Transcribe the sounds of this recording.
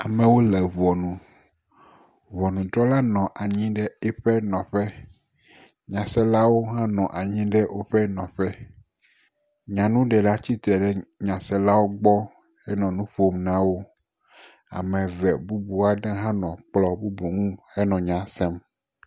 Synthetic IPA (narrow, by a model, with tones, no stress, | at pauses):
a˨mɛ̃˨wo˦lɛ˨βɔ˨nũ˨ | vɔ˨nũ˨d̪ɾɔ˦la˦nɔ̃˨ʔa˨ɲĩ˦ɖɛ˦ɛ˦ɸɛ˦nɔ̃˨ɸɛ˦ | ɲã˨sɛ˦la˦wo˦ɦã˦nɔ̃˨ʔa˨ɲĩ˦ɖɛ˦wʔo˦ɸɛ˦nɔ̃˨ɸɛ˦ | ɲã˨nũ˦ɖɛ˨la˦t͡ɕi˦t̪ɾɛ˨ɖɛ˦ɲã˨sɛ˦la˦wo˦ɡ͡bɔ˦ | ɛ˦nɔ̃˨nũ˦ɸo˦mnã˦wo˦ | a̰˨mɛ̃˨vɛ˨bu˦bu˨a˨ɖã˦ɦã˦nɔ̃˨k͡plɔ˦bu˦bu˨ŋũ˦hɛ˦nɔ̃˨ɲã˨sɛ˦m